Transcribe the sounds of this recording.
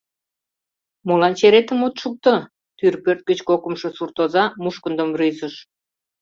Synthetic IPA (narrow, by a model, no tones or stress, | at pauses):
molɑnt͡ɕeɾet̪əmot̪ʃuk̚t̪ə | t̪yrpørt̪̚ɡət͡ɕkokəmʃosurt̪ozɑmuʃkə̆nd̪əmryzəʃ